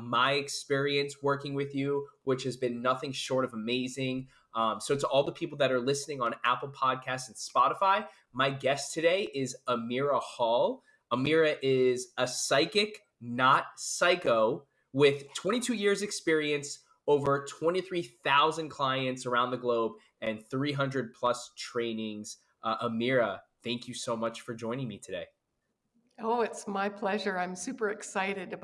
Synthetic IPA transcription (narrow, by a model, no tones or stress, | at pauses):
maɪɨkspɪɹiɨ̃nswɜ˞kɪ̃ŋwɪðjʉwɪt͡ʃhɨzbɨ̃nːʌθɪ̃ŋʃɔɹɾʌvəmeɪzɪ̃ŋ | soʊtəʔɔlˠðəpʰipl̩ˠðɨɾə˞lɪsnɪ̃ŋə̃næpl̩ˠpʰɑd̚kʰæstsn̩spɑɾəfaɪ | maɪɡɛstʰɨɾeɪʔɪzəmɪɹəhɔlˠ | əmɪɹɨʔɪzəsaɪkɪk | nət̚saɪkoʊ | wɪð̥tʰw̥ɛ̃ɾ̃itʰʉjɪɹzɨkspɪɹiɨ̃ns | oʊvə˞tʰw̥ɛ̃ñiθɹiθaʊzɨ̃nkʰl̥aɪɨ̃ntsə˞ãʊ̃nðɨɡloʊb | ɨ̃nθɹiɦʌ̃ndɹɨd̚pʰl̥ʌstʰɹ̥ẽɪ̃nɪ̃ŋz̥ | ʔəmɪɹəθæ̃ŋkjɨsoʊmʌt͡ʃfə˞d͡ʒɔ̃ɪ̃nɪ̃ŋmitʰɨdeɪ | oʊɪtsmaɪpʰl̥ɛʒə˞ãɪ̃msʉpə˞ɨksaɪɾɨdɨ